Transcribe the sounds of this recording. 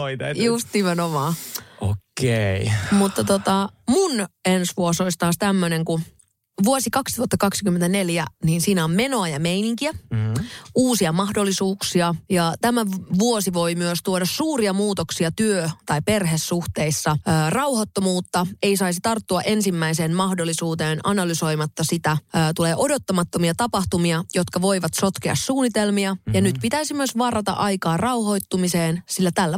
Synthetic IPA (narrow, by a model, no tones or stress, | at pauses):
oit̪just̪nimenomɑːo̰keimut̪ːɑt̪ot̪ɑmunensʋuosolist̪ɑːst̪æmːøneŋku | ʋuosikɑkst̪uɑt̪ːɑkɑksikymːent̪æneljæniːnsiːnæommeno̞ɑjɑmeiniŋkiæ | uːsiɑmɑhdolːisuːksiɑjɑt̪æmæʋuosiʋo̞imyøst̪uoɾɑssuːriɑmuːt̪oksiɑt̪yøt̪ɑipe̞rɦesːuht̪e̞isːɑːrɑwhot̪ːomuːt̪ːɑe̞isɑisit̪ɑrt̪ːuɑʔe̞nsimːæiseːnmɑhdolːˑisuːt̪eːnɑ̰nɑlyso̞jmɑt̪ːɑsit̪æːt̪uleːʔo̞dot̪ːɑmɑt̪ːomiɑt̪ɑpɑht̪umiɑjo̞t̪kɑʋo̞jʋɑt̪so̞t̪k̟eɑ̰ssuːnit̪elmiɑjɑnyt̪pit̪æisimyøsʋɑrɑt̪ɑ̰ʔɑjkɑːrɑwho̞jt̪ːumiseːnsilːæt̪ælːæ